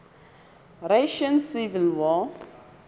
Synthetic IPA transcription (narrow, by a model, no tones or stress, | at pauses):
ɾeʃə̃nsivilwɔ